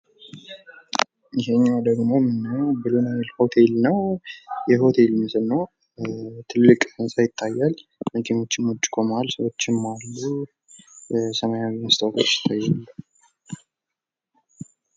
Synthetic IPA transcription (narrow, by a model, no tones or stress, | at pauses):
ɪɦeɲːawd̪əɡmo̞mɨnːəwbɨlunamilho̞t̪ʰe̞lnəwjɛɦo̞t̪ʰe̞lmɨsɨlnəw | t̪ʰɨlːɨkʼɨnsʼajɪt̪ʰːajːalməkʰinot͡ʃːɪmot͡ʃʼːkʰo̞malsəwo̞t͡ʃːɪmːalːu | səməjaɪnɨst̪ʰakʰo̰t͡ʃːɪ̥t̪ʰːajːalːə